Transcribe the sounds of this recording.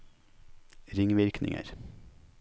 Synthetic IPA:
ɾɪŋʋɪɾknɪ̰ŋə̰ɾ

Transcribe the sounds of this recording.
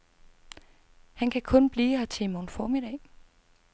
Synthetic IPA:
hænkʰækʰɔ̽nb̥liːhɑt͡sʰe̝monfɒːmid̥ɛ̰ː

